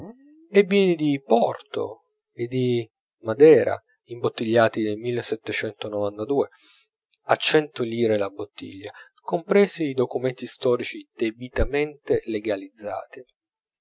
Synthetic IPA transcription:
ebːiːnid̪ipɔrt̪o̰ | ed̪i | mad̪ɛːɾa̰ | imbot̪ːiʎːaːt̪id̪elmilːesɛt̪ːet͡ʃɛnt̪onovant̪ad̪uːe | at͡ʃːɛnt̪oliːɾelabot̪ːḭʎːa | kompɾeːsiːd̪okument̪ist̪ɔːɾit͡ʃid̪̥ebit̪ament̪eleɡalid̪zːa̰ːt̪i

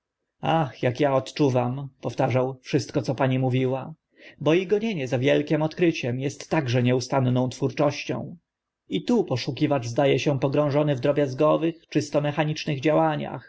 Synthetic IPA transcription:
axjakjaɔt̪t͡ʂuvampɔft̪aʐawfʂɘst̪̚kɔt̪sɔpaɲimuvʲiwa | bɔiɡɔɲeɲɛzavʲjɛlkʲɛmɔt̪kɾɘt͡ɕɛmjɛst̪ːaɡʐɛɲɛust̪annɔ̃w̃t̪fuɾt͡ʂɔɕt͡ɕɔ̰̃w̃ | it̪upɔʂukʲivaʐzd̪ajɛɕɛpɔɡɾɔ̃w̃ʐɔnɘvd̪ɾɔbʲjazɡɔvɘxt͡ʂɨst̪ɔmɛxaɲit͡ʂnɘɣd͡ʑawaɲa̰x

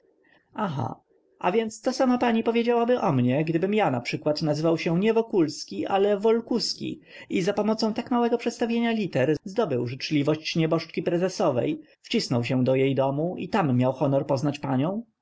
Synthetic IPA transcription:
axa̰ | ʔa̰vʲjɛnt̪st̪ɔsamapaɲipɔvʲjed͡ʑawabɘʔɔmɲɛɡd̪ɘbɘmjanapʂɘkwat̪nazɘvawɕɛɲɛvɔkulskʲiʔa̰lɛvɔlkuskʲḭ | izapɔmɔt̪sɔ̃w̃t̪akmawɛɡɔpʂɛt̪st̪avʲjeɲalʲit̪ɛɾzd̪ɔbɘwʐɘt͡ʂlʲivɔɕt͡ɕɲɛbɔʂt͡ʂkʲipɾɛzɛsɔvɛ̰j | ft͡ɕisnɔwɕɛ̃d̪ɔjejd̪ɔmuḭt̪amːjawxɔnɔɾpɔznat͡ɕpaɲɔ̃w̃

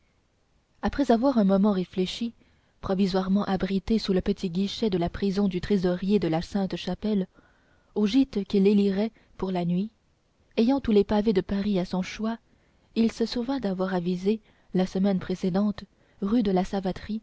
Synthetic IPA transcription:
apχɛzavwaʁɛ̃mɔmɑ̃ʁefleʃi | pχɔvizwaʁmɑ̃ʔabʁit̪esuləpət̪ʰiɡʲiʃɛd̪əlapχizɔ̃d̪yt̪χezɔʁjed̪əlasɛ̃t̪ʃapɛl | oʒit̪kʲileliʁɛ | puʁlanɥi | ɛjɑ̃t̪ulepaved̪əpaʁiasɔ̃ʃwa | ilsəsuʁvɛ̃d̪avwaʁavize | lasəmɛnpχesed̪ɑ̃t̪ | ʁyd̪əlasavat̪χi

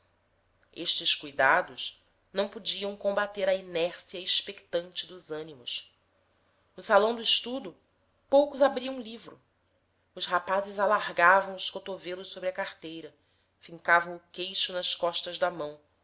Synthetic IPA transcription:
eʃt͡ʃɪskujd̪ad̪ʊʃ | nɐ̃w̃pud͡ʒiɐ̃w̃kõmbat̪eɾɐinɛɾsiɐiʃpekt̪ɐ̃nt͡ʃɪd̪ʊzɐ̃nimʊs | nʊsalɐ̃w̃d̪ʊɪʃt̪ud̪ʊ | powkʊzabɾiɐ̃livɾʊ̰ | ʊʃhapazɪzalaɦɡavɐ̃w̃ʊʃkot̪ovelʊʃsobɾɪɐkaɾt̪ejɾɐ | fĩŋkavɐ̃w̃ʊkejʃʊnɐʃkɔʃt̪ɐzd̪ɐmɐ̃w̃

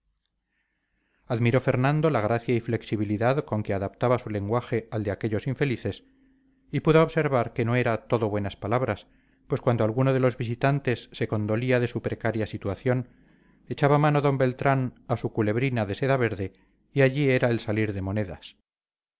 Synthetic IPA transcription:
aðmiɾo̞fe̞ɾnãnd̪o̞laɣɾaθjaifle̞ksiβiliðaðko̞ŋkeaðap̚t̪aβasule̞ŋɡwaxe̞ald̪eake̞ʎosiɱfe̞liθe̞s | ipuðooβse̞ɾβaɾke̞no̞e̞ɾat̪o̞ðo̞βwe̞naspalaβɾas | pwe̞skwand̪oalɣunoðe̞lo̞zβis̬it̪ant̪e̞sːe̞ko̞nd̪o̞liaðe̞supɾe̞kaɾjasit̪waθjo̞n | e̞t͡ʃaβamanoðo̞mbe̞lt̪ɾanasukule̞βɾinaðe̞se̞ðaβ̞e̞ɾðe̞ | iaʎieɾaelsaliɾðe̞mo̞ne̞ðas

